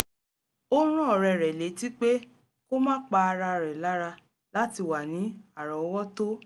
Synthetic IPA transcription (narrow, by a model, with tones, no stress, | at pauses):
o˦ɾ̃ũ˦ɔ˦˨ɾɛ˨ɾɛ˨le˨˦ti˦k͡pe˦ | ko˦mã˦k͡pa˧a˧ɾa˧ɾɛ˨la˨˦ɾa˧ | la˦ti˧˨wa˨nĩ˨˦a˦˨ɾɔ˨ɔ˦wɔ˦to˦